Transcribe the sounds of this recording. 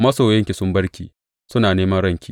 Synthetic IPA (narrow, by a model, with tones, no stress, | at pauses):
mɐ˦soː˨jɐ˦ŋkʲi˨sʊ˦mbɐ˦ɽkʲiː˨ | sʊ˦naː˨neː˦mɐ˦nɽɐ˦˨ŋkʲḭː˨